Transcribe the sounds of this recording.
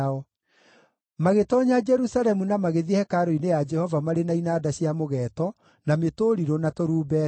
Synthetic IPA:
ɔ | maɣetɔːɲad͡ʒɛɾusaɾɛmunamaɣeðihɛkaɾoinejad͡ʒɛhɔvamaɾenainaːdaɕiamoɣɛːtɔ | nametoːɾiɾonatoɾuːbɛ

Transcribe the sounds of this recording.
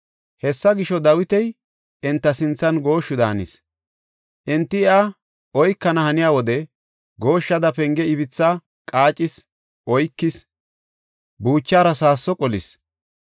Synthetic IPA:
hɛsːɐɡɪʃɔd̪ɐwɪt̪ɛj | ɪnt̪ːɐsɪnt͡sːɐnɡo̞ːʃːʊd̪ɐnɪ̰s | ʔɪnt̪ːɪɪa | ʔɔjkːɐnɐhɐnɪjaːwɔd̪ɛ | ɡo̞ːʃːɐd̪ɐpɛŋɡɛɪbɪt͡sːa | kʼaːt͡ʃʼɪs | ʔɔjkːɪs | buːt͡ʃːaːɾɐsaːsːɔkʼɔlɪ̰s

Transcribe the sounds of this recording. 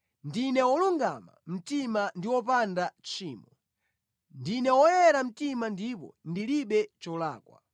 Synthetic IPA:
ndinɛwɔluŋɡama̰m̩timandiwɔp̬andat͡ʃʰiːmɔ | ndinɛwɔjɛɾam̩timandipɔ̰ndiliɓɛt͡ʃɔla̰ːkwa̰

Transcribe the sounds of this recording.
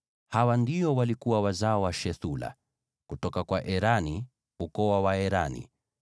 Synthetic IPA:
hawandiɔwalikuwawazaɔwaʃɛθula̰ | kutɔkakwaʔɛɾani | ukɔwawaɛɾanḭ

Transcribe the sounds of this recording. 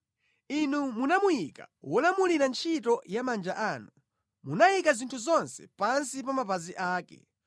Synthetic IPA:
inumunamujikawɔlamuliɾant͡ʃʰitɔjamand͡ʒaʔaːnu | munajikazintʰuzɔnsɛ̥pansipamapaziʔaːkɛ̰

